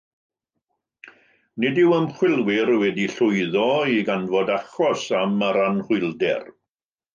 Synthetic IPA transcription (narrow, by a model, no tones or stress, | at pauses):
nɪdɪwəmχwɪlˠwɪɾwɛdiɬʊɨðɔiɡanvɔdaχɔsamaɾanhʊɨlˠdɛ̰r